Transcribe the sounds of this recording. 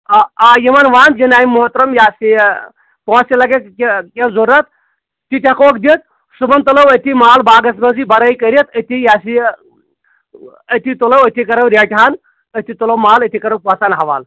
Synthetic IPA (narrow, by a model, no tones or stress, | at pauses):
aajimɐnʋaːnd͡ʒinaːimuɦɐt̪ɾɐmjaːsi | põsilɐɡekkʲezoɾɐt̪ | t̪it̪ʲɐkokd̪it̪̚ | subɐnt̪ɐlɐwɐt̪imaːlbaːɡɐsmɐnsibɐɾɐjkɐɾit̪ɐt̪ijaːsi | ɐt̪it̪ulɐwɐt̪ʰikɐɾɐwɾeʈʰaːn | ɐt̪it̪ulɐwmaːlɐt̪ʰikɐɾɐwpaːsaːnɦɐʋa̰ːl